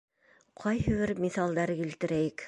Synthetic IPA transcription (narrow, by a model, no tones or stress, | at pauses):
qʰɑjɦɘ̆βɘɾmiθɑlˠd̪ɑɾkilt̪ɘ̆ɾæjɘk